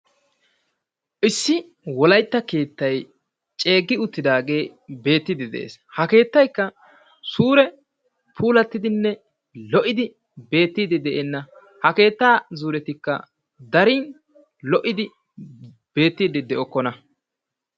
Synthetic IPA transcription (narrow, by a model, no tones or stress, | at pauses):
ʔɪsːɪ | wɔlɐjt̪ːɐke̞ːt̪ːɐj | t͡ʃʼe̞ːɡːɪʊt̪ːɪd̪aːɡe̞ːbe̞ːt̪ːɪd̪ɪd̪ɛ̰ʔḛːshɐke̞ːt̪ːɐjkːɐ | suːɾɛ | pʰuːlɐt̪ːɪd̪ɪnːɛ | lɔʔɪd̪ɪ | be̞ːt̪ːiːd̪ɪd̪ɛʔɛnːɐ | hɐke̞ːt̪ːaːzuːɾɛt̪ɪkːɐ̰ | d̪ɐɾiːn | lɔʔɪd̪ɪ | b̥e̞ːt̪ːiːd̪ɪd̪ɛʔɔkːɔnɐ